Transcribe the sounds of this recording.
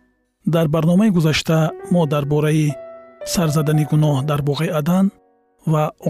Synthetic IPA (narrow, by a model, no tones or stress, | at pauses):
d̪aɾbaɾnɔmaiɡuzaʃt̪ʰamɔd̪aɾbɔɾaisaɾzad̪aniɡunɔhd̪aɾbɔʁead̪an | vaɔ